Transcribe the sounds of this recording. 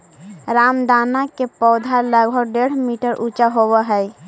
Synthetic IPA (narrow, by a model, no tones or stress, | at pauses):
ɾamd̪anakepɔʊd̪ʱaləɡbəɖeɽ̤miʈəɾʔut͡ʃaɦobəɦə